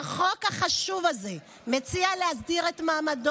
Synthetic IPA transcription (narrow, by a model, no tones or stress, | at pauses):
χokhaχaʃuvalze | met͡sialehas̬diʁetmaːmad